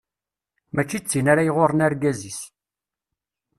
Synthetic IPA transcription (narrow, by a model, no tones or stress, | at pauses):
mæt͡ʃːit͡sːinaɾajʁoɾˤənaɾɡæzis